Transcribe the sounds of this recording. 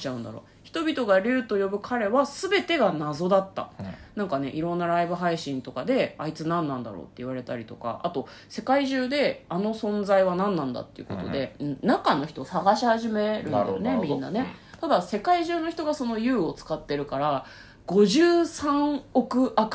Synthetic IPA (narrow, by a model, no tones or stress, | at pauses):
t͡ɕaɯ̟̃nd̪a̰ɾo̞̰ː | çi̥t̪obʲit̪o̞ɡaɾʲɨːt̪o̞jo̞bɯ̟kʰaɾe̞βasɨbe̞t̪e̞ɡanazo̞d̪at̪ːa̰nãŋkane̞̰ʔiɾõ̞nːaɾaibɯ̟ɦaiɕĩnt̪o̞kad̪e̞ait͡sɨnãnːãnd̪a̰ɾo̞̰ːt̪ːe̞iβaɾe̞t̪aɾʲit̪o̞ka̰ʔat̪o̞ | se̞kaiʑɨːd̪e̞ano̞sõ̞nd͡zaiβanãnːãnd̪a̰t̪ːeiɯ̟̰ko̞̰t̪o̞̰d̪e̞ɯ̟̃ɴnakano̞çi̥t̪o̞saɡaɕihaʑime̞ɾɯd̰nemʲĩnːa̰ne̞t̪ad̪ase̞kaiʑɨːno̞çʲi̥t̪o̞ɡaso̞no̞jɯ̟ːo̞t͡sɨ̥kat̪ːe̞ɾɯ̟kaɾa | ɡ̥o̞ʑɨːsãɴo̞kɯ̟ʔak